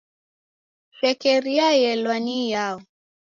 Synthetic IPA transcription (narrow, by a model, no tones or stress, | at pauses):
ʃɛkɛɾiajɛlwanijaɔ